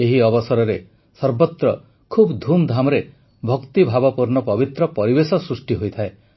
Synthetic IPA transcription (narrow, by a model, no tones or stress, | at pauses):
eɦiɔbɔsɔɾɔɾe | sɔɾbɔt̪ɾɔ | kʰubd̪ʱumd̪ʱamɔɾe | bʱɔkt̪ibʱabɔpuɾnɔpɔbit̪ɾɔpɔɾibesɔsɾusʈiɦojt̪ʰae